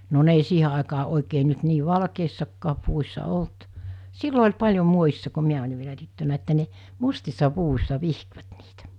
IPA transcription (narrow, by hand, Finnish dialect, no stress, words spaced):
no ne ei siːhe ɑˑekɑː oˑekeː nyt niː ʋɑlkeisːɑkːɑː puʋusʲsɑ olt silːo olʲ pɑlʲjo muojisːɑ ko miæ olʲi ʋielæ tytːønæ etːæ ne mustisːɑ puʋusʲsɑ ʋihkʋæt niːtæ